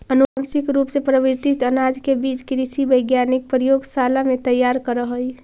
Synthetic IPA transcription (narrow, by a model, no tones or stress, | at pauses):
ənuəmsikɾupsepɾəbiɾt̪it̪ənad͡ʒkebid͡ʒkɾisibəjɡjanik̚pɾjoɡsalamet̪əjːaɾkəɾəɦəj